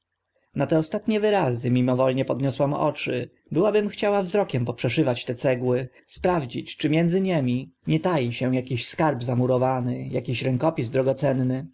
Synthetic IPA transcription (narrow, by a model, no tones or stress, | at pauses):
nat̪ɛɔst̪at̪ɲɛvɘɾazɘmʲimɔvɔlɲɛpɔd̪ɲɔswamɔ̰t͡ʂɘ̰ | bɘwabɘmxt͡ɕawavzɾɔkʲɛmpɔpʂɛʂɘvat͡ɕt̪ɛt̪sɛɡwɘ | spɾavd͡ʑit͡ɕt͡ʂɘmʲjɛnd̪zɘɲemʲiɲɛt̪ajiɕɛ̃jakʲiɕskaɾbzamuɾɔvanɘjakʲiɕɾɛŋkɔpʲizd̪ɾɔɡɔt̪sɛnːɘ